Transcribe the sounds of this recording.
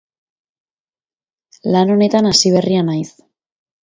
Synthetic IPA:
lano̞ne̞t̪anasiβ̞e̞rianajs

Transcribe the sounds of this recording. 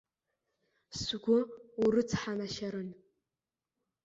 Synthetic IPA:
sɡʷʊurɨt͡sʰħanaʃaɾɨn

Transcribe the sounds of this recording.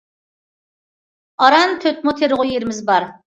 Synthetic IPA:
ɑɾɑnt̪ʰøt̪̚mot̪ʰeɾʁʊjeɾɪmɪzbɑɾ

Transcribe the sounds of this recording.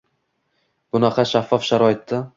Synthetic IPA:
b̥ʊnɑqʰɑʃafːɒfʃaɾɒɪt̪ːa

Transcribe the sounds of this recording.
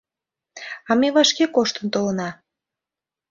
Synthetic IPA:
ɑmeβɑʃkekoʃt̪ənt̪olənɑ

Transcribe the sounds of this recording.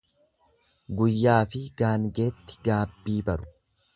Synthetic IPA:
ɡʊjːaːfɪɡ̥aːŋɡe̞ːt̪ːɪ̥ɡaːbːiːbɐɾʊ̥

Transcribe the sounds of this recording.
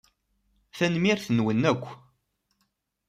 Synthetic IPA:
θænmiɾθənwənːækʷː

